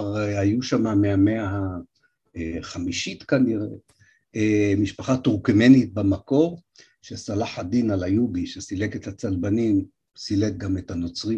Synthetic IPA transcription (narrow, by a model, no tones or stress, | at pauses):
ʁajuʃamameameaa | χamiʃit̪kaniʁe̞ | emiʃpaχat̪uʁkeme̞nit̪̚bemako̞ʁ | ʃesalaħad̪inalajuɡiʃesileket̪hat͡salbanim | silet̪̚ɡame̞t̪hano̞t͡sʁi